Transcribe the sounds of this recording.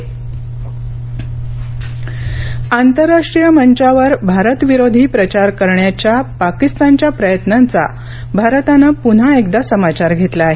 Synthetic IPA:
ant̪əɾːaʂʈɾijəməɲt͡ɕaʋəɾbʱaɾət̪ʋiɾod̪ʱiːpɾət͡ɕaɾkəɾɳjat͡ɕjapakist̪ant͡ɕjapɾəjət̪nant͡sa̰ | bʱaɾt̪anapun̤aekd̪asəmat͡ɕaɾɡʱet̪laɦe

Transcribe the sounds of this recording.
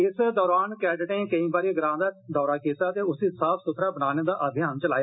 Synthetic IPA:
ɪsd̪ɔːɾaːnkɛːɖʈẽːkəĩːbaːɾiːɡəɾãːd̪aːd̪ɔːɾaːkeːsaːt̪eːʊsĩːsaːpʰsʊt̪ʰɾaːbənaːneːd̪aːʔəbʱɪjaːnt͡ʃəlaːjaː

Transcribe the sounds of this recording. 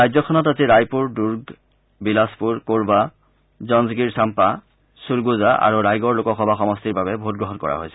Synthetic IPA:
ajzɔkʰɔnɔtaziɹajpuɹduɹɡ | bilaspuɹkoɹba | zɔnzɡiɹsampa | suɹɡuzaʔa̰ɹuɹajɡɔɹlokɔxɔbʱaxɔmɔstiɹbabɛboɦut̚ɡɹɔɦɔnkɔ̰ɹa̰ɦojsɛ̥

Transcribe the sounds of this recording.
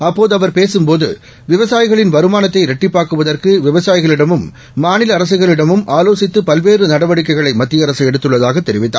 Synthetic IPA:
ɐpːoːðɯɐʋɐɾpeːsɯmpoːðɯ̰ | ʋɪʋɐsaːjɪɣɐɭɪnʋɐɾɯmaːnɐt̪ːɐɪɾɛʈːɪpːaːkɯʋɐðɐrkɯʋɪʋɐsaːjɪɣɐɭɪɽɐmɯmː | aːnɪlɐɐɾɐsɯɣɐɭɪɽɐmɯmʔaːloːsɪt̪ːɯpɐlʋeːrɯnɐɽɐʋɐɽɪkːɐɪɣɐɭɐɪmɐt̪ːɪjɐɾɐsɐɛɽɯt̪ːɯɭːɐðaːɣɐt̪ːɛɾɪʋɪt̪ːa̰ː

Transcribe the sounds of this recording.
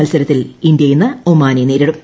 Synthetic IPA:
ɐlsɐɾɐt̪ːilind̪jɐjinːɨomːaːnineːɾiɽum

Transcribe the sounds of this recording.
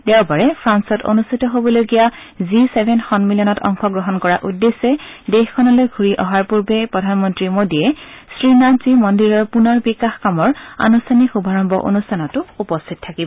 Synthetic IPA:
tɛwbaɹɛpʰɹansɔto̰nustʰitɔɦobɔloɡija | zisebʱɛnxɔnmiliɔnɔtɔ̰ŋxɔɡɹɔɦɔnkɔɹaʔudːesɛdexkʰɔnalojɡʱuɹiʔɔɦaɹpuɹbɛpɹɔdʱanmɔntɹimodiɛsɹinaz̥imɔndiɹɔɹpunɔɹbikaxkamɔɹa̰nustʰanikxubʱaɹɔmbʱɔ̰ʔo̰nustʰanɔtʊupɔstʰit̚tʰːakibɔ

